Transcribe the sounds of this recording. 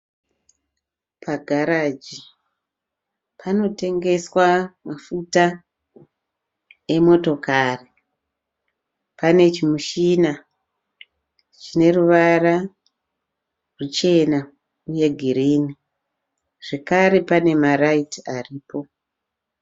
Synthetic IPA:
pʰaɡʱaɾad͡ʒi | pʰano̞te̞ŋɡe̞swamafuta | emo̞to̞kari | pane̞t͡ʃimuʃina | t͡ʃine̞ruʋara | rut͡ʃe̞na | uje̞ɡʱiɾiːni | ʐ̥e̞kaɾe̞pane̞maraitiariːpo̞

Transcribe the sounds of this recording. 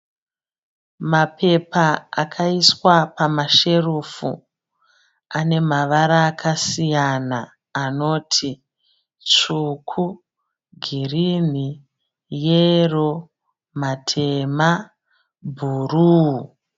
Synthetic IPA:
mapʰe̞paa̰kʰaiswapamaʃe̞rufṵ | ane̞maʋaɾaːkʰasijanaː | no̞ːtʰi | t͡ʂukʰu | ɡʱirin̤i | jero̞ | matʰe̞ma | bʱuruː

